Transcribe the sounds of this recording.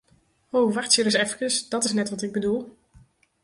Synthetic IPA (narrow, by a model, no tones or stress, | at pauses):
owvɑxtsiɾəsɛfkəsd̥ɑtɪsnɛtʋɑtɪɡ̚bədulˠ